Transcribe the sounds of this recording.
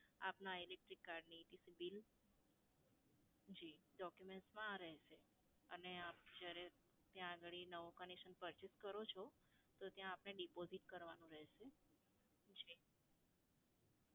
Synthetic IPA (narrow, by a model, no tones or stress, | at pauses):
apnailek̚ʈɾikːaɾɖniːt̪isibil | d͡ʒiɖɔkjumeɳʈsmãɾəɦʃe | əneap̚d͡ʒjaɾe | t̪jãːɡəɭinəʋokənekʃənpəɾt͡ʃiskəɾot͡ʃʰo | t̪ot̪jãːpneɖipoziʈkəɾʋanũɾəɦʃe | d͡ʒi